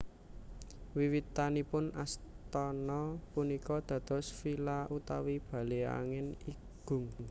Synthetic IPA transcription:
wiwit̪anipʊnast̪ɔnɔpunikɔd̪̥ä̤d̪̥ɔ̤sfilaʔut̪awib̥ä̤lea̰ŋɪni | ɡ̥ʊ̤ŋ

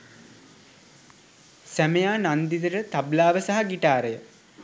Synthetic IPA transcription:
sæmejaːnand̪it̪əɾət̪ablaːʋəsaɦaɡiʈaːɾejə

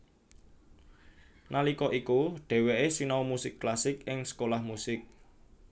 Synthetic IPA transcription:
nʔalikɔʔikuɖ̥ɛ̤weʔesinaumusɪkːlasɪkɪŋsə̥kolahmusɪk̚

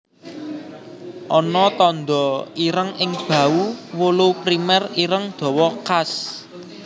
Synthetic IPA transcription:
ʔɔnɔt̪ɔnd̪ɔiɾəŋɪŋb̥ä̤uwolupɾimɛriɾəŋd̪̥ɔ̤wɔkas

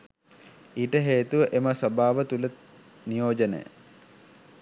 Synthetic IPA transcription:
iːʈəɦeːt̪uʋəʔeməsɐbaːʋət̪ulə | nijoːd͡ʒənə̰jə̰

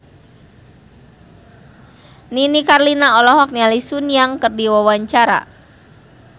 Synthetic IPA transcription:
ninikarlinaɔlɔɦɔk̚nialisunijaŋkərdiwawaɲt͡ʃaɾa̰

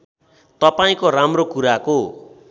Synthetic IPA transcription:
t̪ʌpaĩkoramrokuɾako

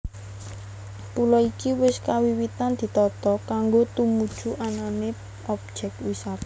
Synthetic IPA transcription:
pulɔikiwɪskawiwit̪and̪̥i̤t̪ɔt̪ɔkaŋɡot̪umud̥ʒ̥ṳʔanane | ɔp̚d̥ʒ̥ɛk̪̚wisat̪

